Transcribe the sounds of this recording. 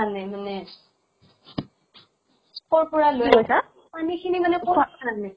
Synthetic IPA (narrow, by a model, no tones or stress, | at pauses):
anɛmanɛ | pɔɹpɔɹaloikojsa | panikʰinimanɛkɔbʱaanaɡnɛ